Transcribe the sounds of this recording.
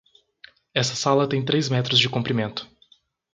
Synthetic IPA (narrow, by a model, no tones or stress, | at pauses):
ɛsɐsalɐt̪ẽj̃t̪ɾejzmɛt̪ɾʊzd͡ʒɪkũmpɾimẽnt̪ʊ̥